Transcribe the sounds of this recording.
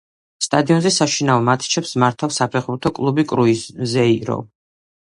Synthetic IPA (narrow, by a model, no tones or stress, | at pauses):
st̪ʼad̪iɔnzɛsaʃinaɔmat̪ʰt͡ʃʰɛpsmaɾt̪ʰafsapʰɛχbuɾt̪ʰɔkʼlˠubikʼɾuizɛiɾɔ̰